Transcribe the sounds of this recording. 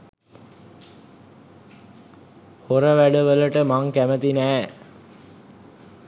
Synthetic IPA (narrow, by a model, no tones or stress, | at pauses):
hoɾəʋæɖəʋələʈəmaŋkæmət̪inæː